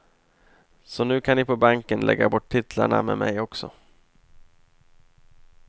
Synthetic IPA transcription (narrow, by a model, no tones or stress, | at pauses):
sɔnʉ̟ːkʰanɪpʰɔbaŋkənlʔɛ̰ɡːabɔʈʰːɪt̪laɳamɛːmʔɛjɔksɔ